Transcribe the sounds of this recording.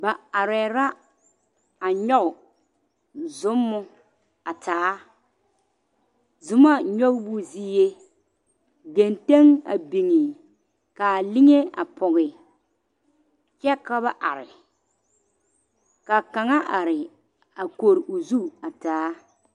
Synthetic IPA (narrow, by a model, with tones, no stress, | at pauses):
ba˨a˨ɾɛ˨ɾa˦ | a˨ɲɔ˦ɣʊ˨ | zʊ˦mːʊ˦ | a˨tʰaː˨˦ | zʊ˦ma˦ɲɔ˦ɣbʊ˦ziː˦je˦ | ɡe˨nte˦ŋa̰˨bi˨ŋɪ˨ | ka˨lɪ˦ŋe˦a̰˨pɔ˨ɣɪ˨ | t͡ʃɛ˦ka˦βa˨ʔa̰˨ɾɪ˨ | ka˨ka˨ŋa˦ʔa˨ɾɪ˨ | a˨ko˨ɾɪ˨ʔʊ˨zu˦a˨taː˨˦